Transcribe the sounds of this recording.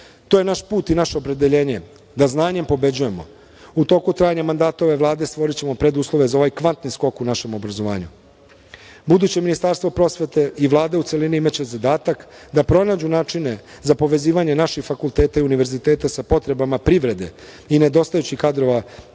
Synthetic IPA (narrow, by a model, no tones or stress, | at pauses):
t̪oːje̞naʃpuːt̪inaʃe̞opɾe̞d̪eʎe̞ːɲe̞ | d̪aznaːɲe̞mpo̞be̞d͡ʑuje̞mo̞̰ | ut̪o̞ːkut̪ɾaːjaɲamand̪aːt̪oʋe̞ʋlˠaːd̪e̞st̪ʋo̞ɾit͡ɕe̞mo̞pɾe̞d̪uːslˠo̞ʋe̞zaoʋajkʋant̪nisko̞kunaʃe̞mo̞bɾazo̞ʋa̰ːɲu | bud̪uːt͡ɕe̞minist̪aɾst̪ʋo̞pɾo̞sʋet̪eiʋlˠaːd̪e̞ut̪se̞liniimat͡ɕe̞zad̪aːt̪akd̪apɾo̞naːd͡ʑunaːt͡ʃine̞ | zapo̞ʋe̞ziːʋaɲe̞naʃixfakulˠt̪e̞ːt̪aiuniʋe̞ɾzit̪e̞ːt̪asapo̞t̪ɾe̞bamapɾiʋɾe̞d̪e̞̰ | ine̞d̪o̞st̪ajut͡ɕixkad̪ɾo̞ʋa